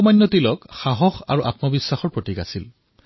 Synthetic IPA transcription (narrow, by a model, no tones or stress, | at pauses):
majnːɔtilɔkxaɦɔxa̰ɹuʔa̰tmɔbisːaxɔɹpɹotikasil